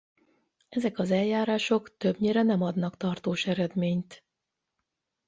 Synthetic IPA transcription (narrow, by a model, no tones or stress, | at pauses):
ɛzɛkɒzɛljaːɾaːʃo̞kt̪øbɲeːɾɛnɛmɒd̪nɒkt̪ɒrt̪oːʃɛɾɛd̪meːɲt̪